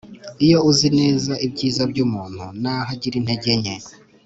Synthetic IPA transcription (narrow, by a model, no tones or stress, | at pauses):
ijo̞uzineːzaʔibɟiːzabɟuːmuːn̥hṵnaɦaɟiɾin̥he̞ɟeɲe